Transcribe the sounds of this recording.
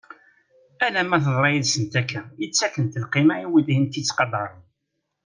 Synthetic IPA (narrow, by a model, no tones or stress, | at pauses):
ælæmæθəðˤɾˤɑjiðsənt̪ækːæjət͡sːækənt̪əlqimæiwid̪hint̪it͡sːqɑd̪ˤɑɾˤ